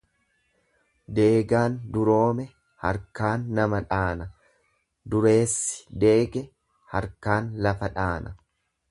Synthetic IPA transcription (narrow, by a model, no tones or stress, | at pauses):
d̪e̞ːɡaːnd̪ʊɾo̞ːmɛ | hɐ̰ɾkaːnːɐmɐᶑaːnɐ | d̪ʊɾe̞ːsːɪ̥d̪e̞ːɡɛ | hɐɾkaːnlɐfɐᶑaːnɐ